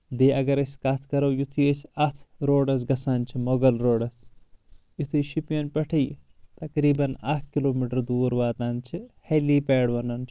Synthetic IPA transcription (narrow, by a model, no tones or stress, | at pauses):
b̪eːʔɐɡɐɾɐsʲkɐt̪ʰkɐɾɐwjut̪ʰujesɐt̪ʰɾoːɖɐs̬ɡɐsaːnt͡ʃʰimoɡɐlɾoːɖɐs | jit̪ʰujʃipjɐnpɐʈʰɐj | t̪ɐkɾiːbɐna̰k̪̚ʰkiloːmiʈɐɾd̪uːɾʋaːt̪aːnt͡ʃʰiheliːpeːɽʋɐnɐnt͡ʃʰ